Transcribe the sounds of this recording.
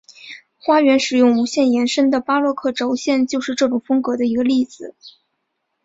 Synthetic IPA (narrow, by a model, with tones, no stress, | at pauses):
xwa˥ɥɛ˧˥nʂɻ̩˨˩jʊ˥˩ŋu˧˥ɕjɛ˥˩njɛ˧˥nʂə˥nd̪ə˨pa˥lwɔ˥˧kʰɤ˥˩ʈ͡ʂo˧˥ʊɕjɛ˥˧nt͡ɕjo˥˧ʊʂɻ̩˥˧ʈ͡ʂɤ˥˩ʈ͡ʂʊ˨˩ŋfɤ˥ŋkɤ˧˥d̪ə˧i˧˥ɡə˧li˥˩d͡zɹ̩˨˩